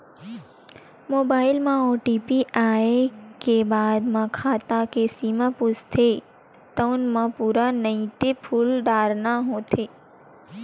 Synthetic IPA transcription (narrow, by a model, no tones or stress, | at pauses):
moːbaːɪlmãoːʈipiʔaːekebaːd̪mãkʰaːt̪akesiːmãpʊst̪ʰe | t̪əːnmãpuːɾanəĩt̪epʰuːlɖaːɾnaɦõt̪ʰeː